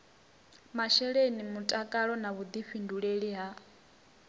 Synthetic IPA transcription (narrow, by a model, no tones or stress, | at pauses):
maʃɛɺenimutʼakʼaɺɔnaβud̪iɸinduɺeɺiɦa